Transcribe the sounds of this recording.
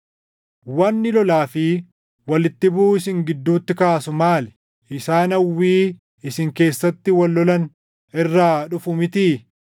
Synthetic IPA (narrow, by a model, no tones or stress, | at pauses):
wɐnːɪlɔlaːfɪ | wɐlɪt̪ːɪbʊʊɪsɪŋɡɪd̪ːuːt̪ːɪkaːsʊmaːl | ɪsaːnɐwːiː | ɪsɪŋke̞ːsːɐt̪ːɪwɐlːɔlɐn | ɪrːaːᶑʊfʊmɪt̪iː